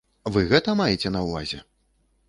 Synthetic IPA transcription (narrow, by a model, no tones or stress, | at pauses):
vɨɣɛt̪ɐmajɛt͡sʲɛnɐwva̰zʲɛ